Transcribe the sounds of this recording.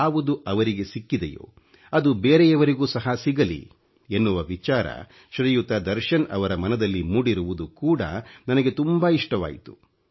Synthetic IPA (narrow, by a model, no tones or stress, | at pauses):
aːʋud̪uʔɐʋɐɾiɡe̞sikːid̪ḛjo̰ː | ɐd̪ubeːɾejɐʋɐɾiɡuːsɐɦɐsiɡɐlḭ | enːuʋɐʋit͡ʃaːɾɐ̰ | ʃɾɐjut̪ɐd̪ɐɾʃɐnɐ̰ʋɐɾɐmɐnɐd̪ɐlːimuːɽiɾuʋud̪ukuːɽɐ̰nɐnɐɡet̪umbaiʂʈɐʋa̰ːjit̪u̥